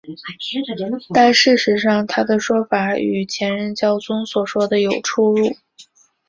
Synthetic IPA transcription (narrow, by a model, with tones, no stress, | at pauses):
t̪a˥˧nʂɻ̩˥˩ʂɻ̩˧˥ʂɑ˥˩ŋt̪ʰa˥d̪ə˨ʂwɔ˥fa˧˩˥y̰˨˩t͡ɕʰjɛ˧˥nɻə˧˥nt͡ɕjɑ˥˩ʊt͡sʊ˥ŋswɔ˨˩ʂwɔ˥d̪ə˨jo˨˩ʊʈ͡ʂʰu˥ɻu˥˩